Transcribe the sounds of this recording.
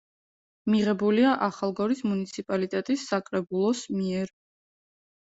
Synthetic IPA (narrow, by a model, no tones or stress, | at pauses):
miʁɛbuliaʔaχalˠɡɔɾismunit̪sʰipʼalit̪ʼɛt̪ʼisːakʼɾɛbulˠɔsmiɛɾ